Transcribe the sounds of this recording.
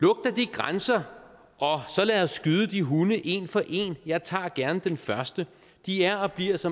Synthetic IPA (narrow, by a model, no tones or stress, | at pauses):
lɔ̽ɡ̥̚d̥ɐd̥iɡ̥ʁansɐ | ʔɒ̽sɒ̽læðɒsɡ̥yðˠəd̥iɦunəʔe̝nfɒ̽ʔe̝̰ːnjɑ̈ɪt͡sʰɑ̰̈ːɡ̥æɐnəd̥enfɶɐsd̥ə | d̥iæɐɒ̽b̥liɐ̰sɒ̽